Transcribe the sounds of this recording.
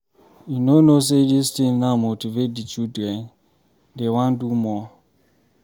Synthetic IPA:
junonos̬edistĩŋnamotivet̚dit͡ʃudɛn | dewãndumɔ

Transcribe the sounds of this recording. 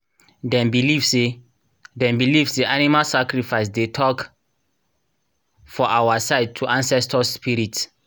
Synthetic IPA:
dɛ̃mbilivse | dɛ̃mbilivsdiʔanimalsakɹifaɪs̬detʰɔk | fɔʔawasaɪd̚tʰːuʔãnsɛstʰɔsspiɹit

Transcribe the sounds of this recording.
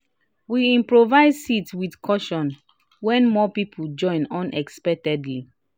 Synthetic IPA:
wiĩmpɹovaɪdsitswidkʰɔʃɔ̃n | wɛ̃nmɔpipʰud͡ʒɔ̃ɪ̃nɔ̃nɛkspɛk̚tɛdli

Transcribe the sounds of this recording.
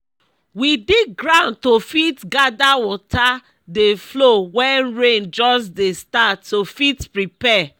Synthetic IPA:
widiɡɾãʊ̃n̚tofitɡadawɔtʰa | deflowɛ̃nɹẽnd͡ʒɔsdestatːofitpɹipɛ

